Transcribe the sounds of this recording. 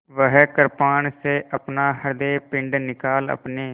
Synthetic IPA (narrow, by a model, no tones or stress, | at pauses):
ʋəɦɛːkəɾpaːɳseːʔəpnaːɦəɾd̪eːpɪɳɖnɪkaːlə̰pneː